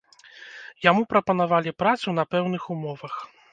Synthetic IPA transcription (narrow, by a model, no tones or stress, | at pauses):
jamupɾɐpɐnavalʲipɾat̪sunɐpɛwnɨxumɔvɐx